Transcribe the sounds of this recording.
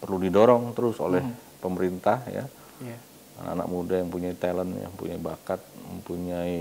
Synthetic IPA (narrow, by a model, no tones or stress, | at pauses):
pərludidoɾɔŋt̪əɾʊso̰lɛhpəməɾint̪ahja̰ | a̰na̰ka̰na̰k̚mudajaŋpuɲait̪alənja̰ŋpṵɲaibakat̪̚məmpuɲai